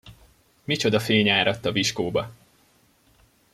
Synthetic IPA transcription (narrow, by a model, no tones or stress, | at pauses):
mit͡ʃo̞d̪ɒfeːɲaːɾɒt̪ːɒviʃkoːbɒ